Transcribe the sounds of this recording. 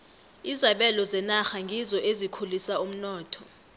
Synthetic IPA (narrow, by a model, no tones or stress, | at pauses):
izaɓɛlɔzɛnaxaŋɡʱizɔʔezikʰulisaum̩nɔːtʰɔ